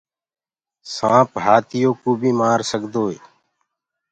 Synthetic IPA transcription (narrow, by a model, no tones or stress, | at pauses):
sãːpɦaːt̪ɪjoːkuːbʱiːmaːɾsəkd̪oːeː